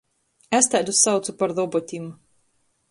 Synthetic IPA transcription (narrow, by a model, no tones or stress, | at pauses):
æst̪æːd̪usːawt̪supaɾðɔbɔt̪ʲim